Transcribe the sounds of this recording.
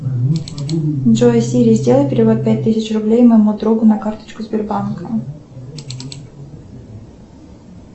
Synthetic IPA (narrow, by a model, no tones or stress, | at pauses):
ʐosʲiɾʲɪzʲdʲe̞lˠəjʲpʲɪɾʲɪvot̪̚pʲæt̚ʲt̪ːɨsʲɪt͡ɕrʊblʲejməjɪmud̪ɾuɡʊnɐkart̪ə̥t͡ɕkʊzʲbʲɪrbankʰə